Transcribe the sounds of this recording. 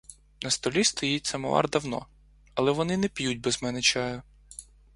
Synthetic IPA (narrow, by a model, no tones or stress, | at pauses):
nɐst̪ɔlʲist̪ɔjit̚ʲsɐmɔ̰ʋɑ̰rd̪ɐwnɔ̰ | ɐlˠɛʋɔnɪnɛpʲjud̚ʲbɛzmɛnɛt͡ʃɑjʊ